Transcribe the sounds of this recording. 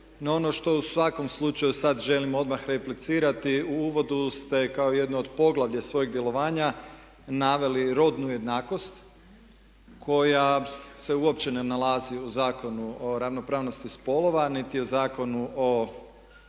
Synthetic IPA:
noo̞no̞ʃt̪o̞usʋako̞mslˠut͡ʃajusad̪ʒe̞limo̞d̪maxɾeplit̪siːɾat̪iuuʋo̞d̪ust̪e̞kaoje̞d̪nood̪po̞ɡlˠaʋʎasʋo̞jiɡd̪je̞lo̞ʋaːɲa | naʋe̞liɾo̞d̪nuje̞d̪naːko̞st̪ | kʰo̞jase̞uopt͡ɕenenalaziuzaːko̞nuoɾaʋno̞pɾaːʋno̞st̪ispo̞lˠo̞ʋanit̪iozaːko̞nuʔo

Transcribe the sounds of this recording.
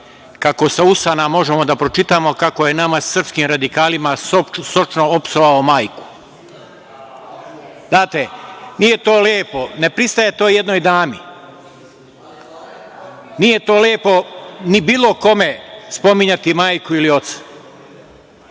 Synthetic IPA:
kako̞sausanamo̞ʒemo̞d̪apɾo̞t͡ʃit̪amo̞kakoje̞namassr̩pskiːmɾad̪ikaːlimasosot͡ʃnoopsoʋaomaːjku̥ | d̪aːt̪enije̞t̪oːleːpo̞ne̞pɾist̪ajet̪o̞ːje̞d̪noːjd̪aːmi | nije̞t̪o̞ːleːpo̞nibiːlˠo̞ko̞me̞spo̞miɲat̪imaːjkuilio̞t̪sḁ

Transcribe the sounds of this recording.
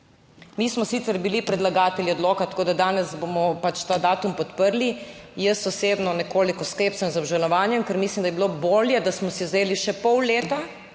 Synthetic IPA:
miːsmɔsit̪sɛɾbilipɾɛd̪laɡaːt̪ɛliɔd̪loːkat̪akoːd̪ad̪aːnɛsbomɔpat͡ʃt̪aːd̪aːt̪umpɔt̪pəɾlijəsɔseːbnɔnɛkoːlikɔskeːptsənzɔbʒɛlnɔʋaːnjɛmkəɾmislimd̪ajɛbiloboːljɛd̪asmɔsizeːliʃɛpɔwleːt̪a

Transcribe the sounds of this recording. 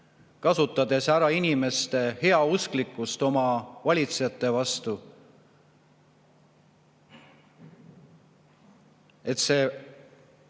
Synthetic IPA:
kɑsut̪ːˑɑd̪̥e̞sæɾɑinʲime̞st̪e̞he̞ɑusklikːˑust̪o̞mɑvɑlʲit̪sejɑt̪ːˑe̞vɑst̪u | e̞t̪se̞ː

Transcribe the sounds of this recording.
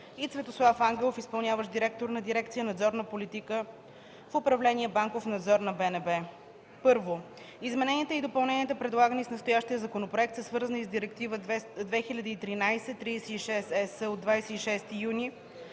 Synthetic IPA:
it̪svɛt̪oslˠafaŋɡɛlˠofispɐlˠnjavəʃd̪iɾɛk̚t̪oɾnɐd̪iɾɛkt̪sijənɐd̪zɔɾnəpolit̪ikə | fʊpɾɐvlɛniɛbaŋkofnɐd̪zɔɾnɐbɛnɛbɛ | pɤɾvo | izmɛnɛniət̪ɛid̪opɐlˠnɛniət̪əpɾɛd̪lˠaɡənisnɐst̪ojaʃt̪ijəzɐkonopɾoɛk̚t̪səsvɤɾzənizd̪iɾɛkt̪ivəd̪vɛxilʲɐd̪iːt̪ɾinajsɛt̪ːɾisɛiʃɛsɛsəod̪vajsɛiʃɛst̪ijuni

